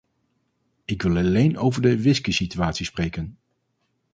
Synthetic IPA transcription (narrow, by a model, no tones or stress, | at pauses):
ɪkʋɪlˠɑlejnowvəɹdəʋɪskisityaːtsisprejkən